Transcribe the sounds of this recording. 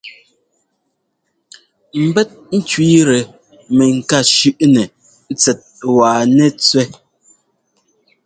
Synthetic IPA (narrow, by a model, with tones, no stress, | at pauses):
m̩˨bɛ˦t̚n̩˦t͡ʃɥiː˦ɾɛ˨ | mɛ˨ŋ̩˨ka˦˨ʃʉ˦ʔnɛ˨˦ | t͡sɛ˨t̚waː˨nɛ˦t͡sɥɛ˦